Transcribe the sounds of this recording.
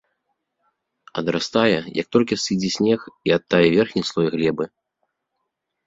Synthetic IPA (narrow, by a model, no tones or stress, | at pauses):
ɐ̰d̪ɾast̪ajɛjɐ̰k̚t̪ɔlʲkʲisɨd͡zʲisʲnʲɛxiat̪ːavʲɛvʲɛrxnʲislˠɔjɣlʲɛbɨ